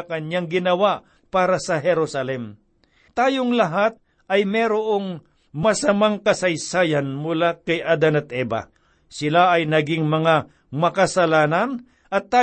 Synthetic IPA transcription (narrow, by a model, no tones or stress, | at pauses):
kɐnaŋɡɪnɐwaʔ | paːɾɐsɐɦɛɾosɐlɛm | t̪aːjoŋlɐɦat̪̚ | ɐjmɛɾoʔoŋ | mɐsɐmaŋkɐsɐjsaːjɐnmʊlakɐjʔad̪ɐnɐt̪ʔɛːbɐ̰ | sɪlaʔɐjnɐɡɪŋmɐŋa | mɐkɐsɐlaːnɐn | ʔɐt̪ːaː